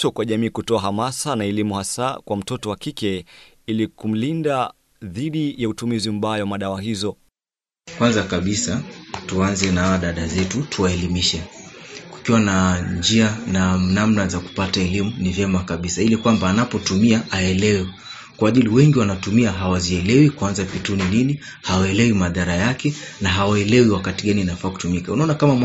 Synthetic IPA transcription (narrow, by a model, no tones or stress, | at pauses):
tɔkwaʄamiːkutɔaɦamasanaɛlimuhasa̰kwam̩tɔtɔwakikɛ | ilikum̩linda | ðiɗijautumizim̩ɓaːjɔwamaɗawaɦizɔ | kwanzakaɓisatuanzɛnaawaɗaɗazɛtutuwaɛlimiʃɛki̥kiwanaɲd͡ʒiananamnazaku̥pataɛlimunivjɛmakaɓisailikwambaːnapɔtumiaʔaɛlɛwɛ | kwaʄiliwɛŋɡiwanatumiaɦawaziɛlɛwikuanzapituninini | hawaɛlɛwimaðaɾajakɛnaɦawaɛlɛwiwakatiɠaninafaːku̥tumikaunaɔnakamam